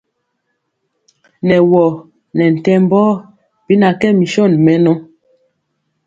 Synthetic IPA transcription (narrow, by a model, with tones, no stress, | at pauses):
nɛ˨wɔ˨ | nɛ˨n̩˨tɛ˦m˦bɔː˦ | b̥i˦na˨kɛ˦mi˨ʃɔ˦˨nmɛ˦nɔ˦